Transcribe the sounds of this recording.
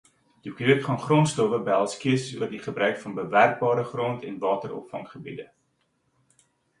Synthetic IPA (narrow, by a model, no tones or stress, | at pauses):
d̥ukøətχɑnχrɔntstɔvəbəɦælˠskiəsəsṵərdiχəbɾœɥkfɐnbəværk̚bɑːɾəχrɔntʰɛnvɑːtəɾɔ̰pfɐ̰ŋχəbḭdə